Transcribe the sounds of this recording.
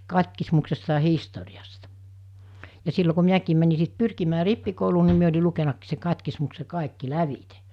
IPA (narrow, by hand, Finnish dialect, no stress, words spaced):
kɑtʲkismuksestɑ ɑ historiɑstɑ jɑ silːo ku miækiːm mæni sit pyrkimæː ripːikouluː ni mi olʲi lukenɑkːiːs se kɑtʲkismukse kɑˑekːi læʋite